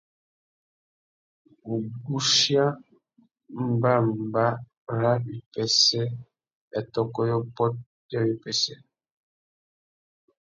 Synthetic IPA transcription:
u˨ɡu˦ʃja˦ | m̩˦˨ba˦m̩˨ba˦ | ɾa˦i˨pɛ˨sɛ˦ | ɛ˨tɔ˦kɔ˦jɔ˦pɔ˦t̚ | jɔ˦i˦pɛ˨sɛ˦

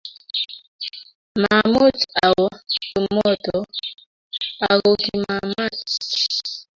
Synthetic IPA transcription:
ma˨mo˦ta˨wɔ˦tu˨mɔ˦tɔ˨ | a˨ɣo˨ki˨ma˨ma˦˨t͡ʃ

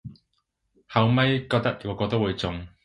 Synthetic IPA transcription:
hɐ˨˧wmɐ˥jkɔː˧k̚t̪ɐ˥k̚ɔː˧kɔː˧t̪o˥wːuː˨˧jt͡sʊ˨ŋ

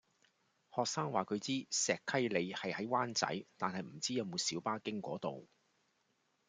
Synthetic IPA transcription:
hɔː˨k̚saː˥ŋwaː˨kʰɵ˨˧ɥt͡siː˥sɛː˨kʰːɐ˥jle˨˧jhɐ˨jhɐ˨˥jwaː˥nt͡sɐ̰˨˥jt̪aː˨nhɐ˨jm̩˨˩t͡siː˥jɐ˨˧wmu˨˧siː˨˥wpaː˥kɪ˥ŋkʷɔ̰ː˨˥t̪o˨w

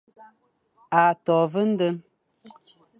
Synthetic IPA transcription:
a˨tɔː˨və˦n̩˦də˦n

